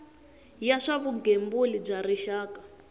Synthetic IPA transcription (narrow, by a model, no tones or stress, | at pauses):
jaʂaβuɡembulib͡ʐaɾiʃaːkḁ